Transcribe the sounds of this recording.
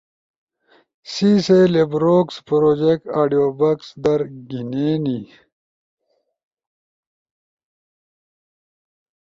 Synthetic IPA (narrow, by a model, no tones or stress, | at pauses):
siselebɾoːkspɾoːd͡ʑek̚ʈaːɖijoːbɐksd̪ɐɾɡineːni